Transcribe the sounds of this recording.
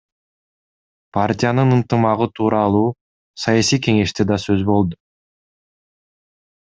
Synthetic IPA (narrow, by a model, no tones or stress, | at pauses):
pʰartʲɪjanɯnɯnt̪ɨmɑʁɯt̪ʰuːɾɑlˠuː | sɑjɑsijke̞ŋe̞ʃt̪e̞d̪ɑsøzbo̞lˠd̪u